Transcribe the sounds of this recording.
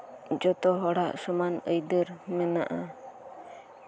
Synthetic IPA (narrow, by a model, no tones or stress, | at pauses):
d͡ʒɔt̪ɔɦɔɽaʔsɔmanəjd̪əɾmɛnaʔa